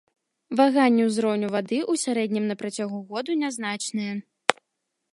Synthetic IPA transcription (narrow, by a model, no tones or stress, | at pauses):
vaɣanʲːɛwzɾɔwnʲuvad̪ɨʔusʲaɾɛd̪ʲnʲimnɐpɾat͡sʲaɣuɣɔd̪unʲaznat͡ʂnɨjɐ